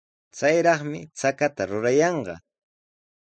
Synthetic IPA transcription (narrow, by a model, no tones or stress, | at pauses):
t͡sajɾɑχmɪt͡sakat̪aɾʊɾajɑɴɢɑ̰